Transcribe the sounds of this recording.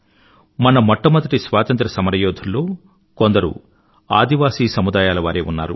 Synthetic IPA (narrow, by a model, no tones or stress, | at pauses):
mɐnɐmɐʈːɐmɐd̪ɐʈisʋaːt̪ɐnt̪ɾɐsɐmɐɾɐjoːd̪ʱunːoː | ko̞nd̪ɐɾṵ | a̰ːd̪ʱiʋaːsiːsɐmud̪aːjaːlɐʋaːɾe̞ːunːa̰ːɾṵ